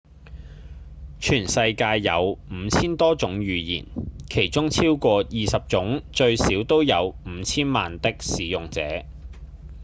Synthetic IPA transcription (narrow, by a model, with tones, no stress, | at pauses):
t͡ʃʰyː˨˩nsɐ˧jkaː˧jːɐ̰˨˧wm̩ː˨˧t͡sʰiː˥nt̪ɔː˥t͡sʊ˨˥ŋjyː˨˧jḭː˨˩nkʰe˨˩jt͡sʊ˥ŋt͡sʰiː˥wkʷɔː˧jiː˨˧sɐ˨p̚t͡sʊ˨˥ŋt͡ʃɵ˧ɥsiː˨˥wt̪o˥wjɐ˨˧wm̩˨˧˦t͡sʰiː˥nma̰ː˨nt̪ɪ˥k̚siː˨˥jʊ˨ŋt͡sɛ̰ː˨˥